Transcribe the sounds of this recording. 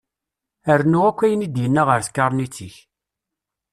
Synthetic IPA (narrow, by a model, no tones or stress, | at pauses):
əɾnuʁækʷːæjənid̪jənːaʁəɾθkːɑɾˤnit͡sːiç